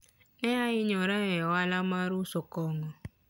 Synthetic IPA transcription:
ɛjaɪɲɔɾaɣɛɔalamaɾusokɔŋɔ

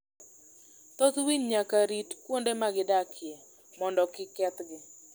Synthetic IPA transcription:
t̪ɔt̪wiɲɲakaɾitkwondemaɡɪdakʰje | mɔndɔkɪkɛt̪ɡɪ

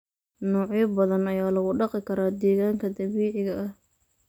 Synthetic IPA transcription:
nɔːʕjɐbɐðɐnɐjaːlɐɣʊɖɑqɪkʰɐɾaːd̪ɛːɣaːŋkʰɐd̪ɐβiːʕɪɣɐʔɐh

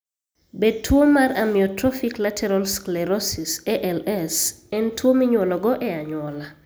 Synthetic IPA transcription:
bed̚tʰːwomaɾamɪɔtɾɔfiklatʰɛɾɔlsklɛɾɔsisɛʔɛlɛs | ɛntʰwomiɲwolɔɡɔʔɛaɲwɔla

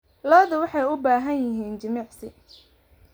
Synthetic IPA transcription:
lɔːðʊwɑħɑjʊbaːɦɐnjɪɦiːnt͡ʃɐmiːʕsɪ

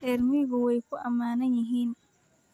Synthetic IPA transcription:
ɗɛɾmiɡɔwɔjkɔʔamaːnaɲiɦina

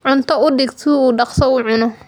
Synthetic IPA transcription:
ʕʊnt̪ʰɔʊɖɪɡt̪ʰuuːɖɑqsɔuːʕʊnɔ

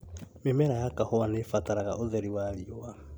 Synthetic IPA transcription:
memɛɾajakahowanefataɾaɣa̰ʔoðɛɾiwaːɾiowa

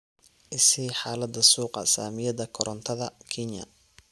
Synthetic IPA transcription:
ʔɪsiːħaːlɐd̪ɐsuːqɑ̰saːmɪjɐðɐkʰɔɾʔɔnt̪ʰɐðɐkʰɪnɐ̰

